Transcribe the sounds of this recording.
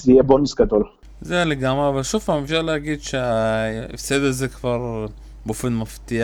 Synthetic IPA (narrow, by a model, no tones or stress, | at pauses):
ziebonisɡad̪ol | zeleɡamavaʃufamafʃalhaɡiːd̪ʃeaḭfsed̪azekvaɾˤ | bofinmaft̪ia